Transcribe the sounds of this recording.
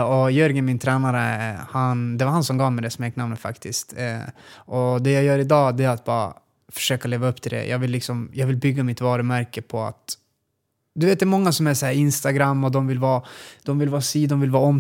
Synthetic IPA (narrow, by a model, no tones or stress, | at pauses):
ɔjœɾɡəmɪnt̪ʰɾɛːnaɾəhand̪ɛvaɾhansɔmɡɑːvmɛd̪ɛsmeːknamnəfa̰kt̪ʰɪskt̪ | ɔd̪ɛjajœːɾɪd̪ɑːd̪ɛæɾat̪̚bɑːɾa̰ | fœ̥ʂøːkaleːvaɵpːt̪ʰɪld̪ɛ̰jʔɑ̰ːɡvɪlːɪksɔmjɑːɡvɪlbʏɡːamɪt̪vɑːɾəmæɾkəpʰɔa̰t̪ | d̪ɵveːt̪d̪ɛɾmɔŋːasɔmæʂɔhæːɾɪnst̪aɡɾamːɔd̪ɔmvɪlvɑːd̪̥ɔmvɪlvɑːsiːd̪ɔmvɪlvɑːɔm